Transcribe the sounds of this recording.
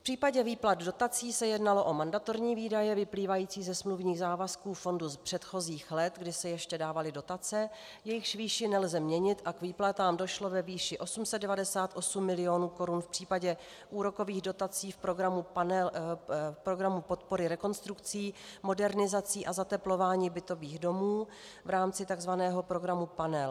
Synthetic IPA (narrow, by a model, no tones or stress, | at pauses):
fpr̥iːpaɟɛviːplat̪do̞t̪at͡siːsɛjɛdnalo̞ʔo̞mandat̪oɾɲiːviːdajɛvɪpliːvajiːt͡siːzɛsmluvɲiːɣzaːvaskuːfo̞nduspr̥ɛt̪xo̞ziːxlɛt̪ɡdɪsɛjɛʃcɛdaːvalɪdo̞t̪at͡sɛ | jɛjɪxʃviːʃɪnɛlzɛmɲɛɲɪt̪ʔakviːplat̪aːmdo̞ʃlo̞vɛviːʃɪʔo̞sumsɛd̪dɛvadɛsaːt̪ʔo̞sumːɪlɪo̞nuːko̞ɾunfpr̥iːpaɟɛ | ʔuːɾo̞ko̞viːɣdo̞t̪at͡siːfpɾoɡɾamupanɛ | pɾo̞ɡɾamupo̞t̪po̞ɾɪɾɛko̞nst̪ɾukt͡siːmo̞dɛɾnɪzat͡siːʔazat̪ɛplo̞vaːɲiːbɪt̪o̞viːɣdo̞muː | vɾaːmt͡sɪt̪aɡzvanɛːɦo̞pɾo̞ɡɾamupanɛl